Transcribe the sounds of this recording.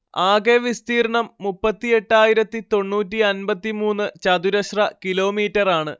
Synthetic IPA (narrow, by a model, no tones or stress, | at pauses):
aːɡeʋist̪iːrɐɳɐmːupːɐt̪ːie̞ʈːaːjiɾɐt̪ːit̪o̞ɳːuːt̬ːiɐnbɐt̪ːimuːnːɨt͡ɕɐd̪uɾɐɕrɐkilo̞ːmiːtːɐraːɳɨ